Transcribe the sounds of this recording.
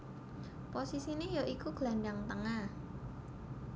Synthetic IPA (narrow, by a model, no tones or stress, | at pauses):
posisinejoʔikuɡ̥laɳɖaŋt̪əŋah